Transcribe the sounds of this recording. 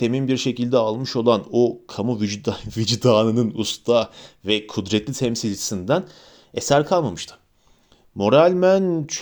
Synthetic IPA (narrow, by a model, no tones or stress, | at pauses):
t̪ʰe̞mimbiɾʃe̞cilʲd̪ɛalˠmɯʃo̞lˠanokʰamuvid͡ʒvid͡ʒd̪aːnɯnɯnust̪ʰavɛkʰud̪ɾɛt̪lʲit̪ʰɛmsilʲd͡ʒʰi̥sind̪æn | esæɾkʰalˠmamɯʃt̪ʰɯ̥ | mo̞ɾalʲmænt͡ʃʰ